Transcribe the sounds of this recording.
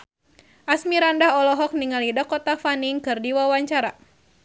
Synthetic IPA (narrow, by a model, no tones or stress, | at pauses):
ʔasmiɾandaɦɔlɔɦɔk̚niŋalidɔkɔt̪afaniŋkɨrdiwawaɲt͡ʃaɾa